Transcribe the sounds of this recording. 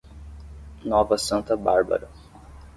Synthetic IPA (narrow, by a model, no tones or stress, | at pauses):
nɔvɐsɐ̃nt̪ɐbaɾbɐ̰ɾɐ